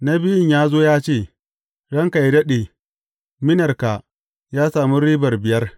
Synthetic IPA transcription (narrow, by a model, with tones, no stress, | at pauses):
na˦bɪ˦jɪ˦ɲjaː˦zoː˦jaː˦t͡ʃeː˦˨ | ɽɐ˦ŋka˨jdɐ˦ɗe˨ | mɪ˦nɐ˨rka˨ | jaː˦saː˨mu˦ɾiː˦bɐ˨rbɪ˨jɐ˦r